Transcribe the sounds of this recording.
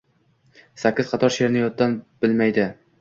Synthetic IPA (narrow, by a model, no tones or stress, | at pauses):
sakʲːɪz̥qʰɑt̪ʰɒɾʃe̞ɾnɪjɒt̪̚d̪ːanb̥ɪlmajd̪ɪ